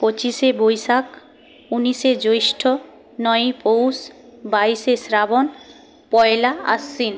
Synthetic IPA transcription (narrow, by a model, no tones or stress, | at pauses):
pot͡ɕiʃebojsak | uniʃed͡ʑojʃʈʰo | nɔjpowsbaisesɾabon | pɔelaa̰sːin